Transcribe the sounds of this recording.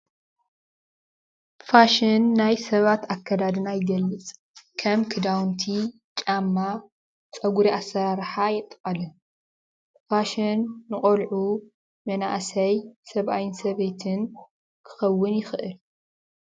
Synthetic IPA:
faʃɪnːajsɐβat̪akʰːɐd̪ad̪ɨnajɪɡɐlːɨt͡sʼ | kʰɐmkʰɨd̪awnt̪ʰi | t͡ʃʼamːa | t͡sʼɐɡuɾiʔasːɐɾaɾħajɛt̪ʼqʼɐlɨn | faʃɐnːɨχʼɐlʕu | mɐnaʔsɐjsɐβʔajɨnsɐβet̪ʰɨn | kʰɨ̥xɐwːɨnjɪxɨʔɨl

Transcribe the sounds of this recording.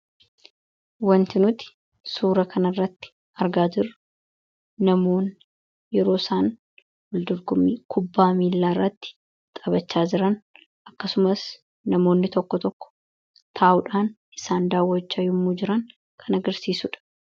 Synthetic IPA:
wɐnt̪ɪnʊt̪ɪ̥ | suːɾɐkʰɐnɐrːɐt̪ːɪ̥ | ɐɾɡaːd͡ʒɪrːʊː | ɐmoːn | jɛɾo̞ːsaːn | wɐld̪ʊɾɡʊmːiːkʰʊbːaːmiːlːaːɪrːɐt̪ːɪ̥ | t̪ʼɐbɐt͡ʃːaːd͡ʒɪɾɐn | ʔɐkːɐsʊmɐs | nɐmo̞ːnːɪt̪ɔkːɔt̪ɔkːɔ̥ | t̪ʰaːʔʊᶑaːnʔɪsaːnd̪aːwːɐt͡ʃːɐjʊmːuːd͡ʒɪɾɐn | kʰɐnɐɡɐɾsiːsuᶑɐ̥

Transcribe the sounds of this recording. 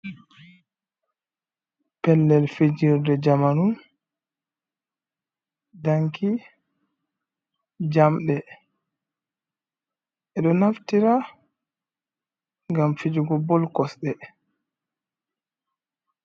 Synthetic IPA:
pɛlːɛlfed͡ʒiɾdɛd͡ʒamanum | daŋkʰi | d͡ʒamɗɛ | ʔɛɗɔnaftiɾa | ŋɡamfid͡ʒuɡɔbɔlkɔsɗɛ

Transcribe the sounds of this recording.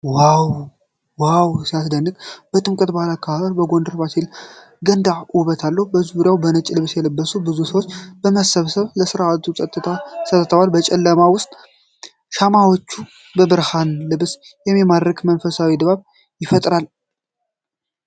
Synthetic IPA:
waw | wawsijasd̪ənːɨkb̥ət̪ʼɨmkʼɨt̪bahlakʰːaaβəɾbəɡond̪əɾbasil | ɡənd̪aʔuβət̪ʰalːəhubəzuβɨɾjawbənət͡ʃʼːlɨβsjɛləbːəsubɨzusəwot͡ʃːb̥əməsəβsəβləsɨɾaat̪ʰusʼət̪ʼːɨt̪ʰasʼət̪ʼːət̪ʰəwalbət͡ʃʼɛlːəmawʊst̪ʼ | ʃamawot͡ʃːu | bəbɨɾhanlɨβsjɛmːimad̪ɾəkmənfəsawid̪βaβ | jɪfət̪ʼɾal

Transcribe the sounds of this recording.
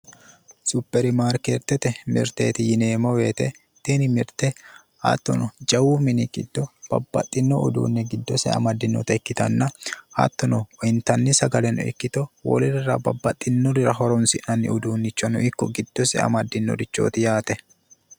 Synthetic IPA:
sʊpːɛɾɪmaːɾkeːɾt̪ːɛt̪ɛmɪ̰ɾt̪ḛːt̪ɪjɪneːmɔwe̞ːt̪ɛ | t̪enɪmɪɾt̪ɛ | ɐ̰t̪ːɔnɔd͡ʒɐwumɪnɪkʼɪ̰d̪ːɔb̥ɐ̰bːɐ̰t̪ʼːɪnːɔʊd̪ṵːnːɛɡɪd̪ːɔsɛɐ̰mɐd̪ːɪnːɔ̰t̪ɐɪkːɪt̪ɐnːɐhɐ̰t̪ːɔnɔɔɪnt̪ɐnːɪsɐɡɐlɛnɔ̰ɪ̰kːɪt̪ɔwɔ̰lɪɾɪɾɐbɐbːɐt̪ʼːɪnːɔɾɪɾɐɦɔɾɔnsɪʔnɐnːɪ̰ʊd̪uːnːɪt͡ʃːɔnʊ̰ɪkːɔɡɪd̪̥ːɔsɛ̰ɐ̰mɐd̪ːɪnːɔ̰ɾɪt͡ʃːo̰ːt̪ɪjaːt̪ɛ

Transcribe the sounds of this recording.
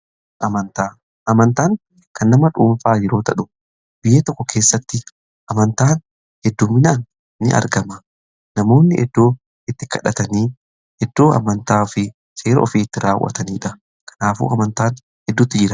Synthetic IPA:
ʔɐmɐnt̪aː | ʔɐmɐnt̪aːŋ | kɐnːɐmɐᶑuːɱfaːjɛɾo̞ːt̪ɐᶑʊ̥ | bɪjeːt̪ɔkːɔkʰe̞ːsːɐt̪ːɪ | ʔɐmɐnt̪aːn | hɛd̪ːuːmːɪnaːn | nɪ̰ʔɐ̰ɾɡɐmɐ | nɐmo̞ːnːɪʔɛd̪ːo̞ː | ɪt̪ːɪkɐᶑɐt̪ɐniː | ɛd̪ːo̞ːɐ̰mɐnt̪aːfɪ | seːɾɐɔfiːɪt̪ːɪɾaːwːɐ̰t̪ɐniːᶑɐ | kʰɐ̥naːfṵːɐmɐnt̪aːn | hɛd̪ːut̪ːɪd͡ʒɪɾɐ

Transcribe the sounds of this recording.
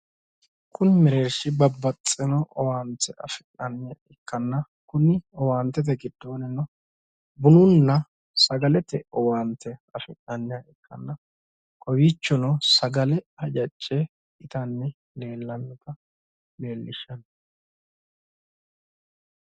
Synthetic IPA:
kʰʊnɪmɪɾe̞ːɾʃɪbɐbːɐt͡sʼːɪnɔʔɔwaːnt̪ːɛɐ̰fɪnːɐnːɪjaɪkːɐnːɐ | kʊnɪɔwaːnt̪ːɛt̪̬ɛɡɪd̪̥ːo̞ːnɪnɔ | bʊnʊnːɐ | sɐɡɐlɛt̪ɛɔwaːnt̪ʰːɛɐfɪnːɐnːɪjaɪkːɐnːɐ | kʼɔwiːt͡ʃːɔnɔsɐɡɐlɛɐd͡ʒɐt͡ʃʼːɛ | ɪt̪ɐnːɛ | ne̞ːlːɐnːɛt̪ɐ | meːlːɪʃːɐnɐ

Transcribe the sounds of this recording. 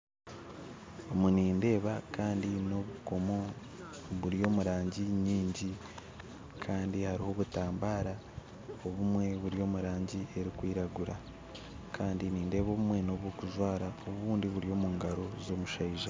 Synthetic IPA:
omuniːnde̞ːβakaːndino̞βuko̞mo̞ | βuɾijo̞ːmuɾaːɲɟiɲiːɲɟi | kʰaːndihaɾiho̞βutaːmbaːɾa | oβumwe̞βuɾio̞ːmuɾaːɲɟie̞ɾikwiːɾaɡuɾa | kʰaːndiniːnde̞ːβoːβumwe̞no̞βwokuʒwaːɾaoβuːndiβuɾio̞ːmuːŋɡaɾo̞zo̞ːmuʃaiʒa

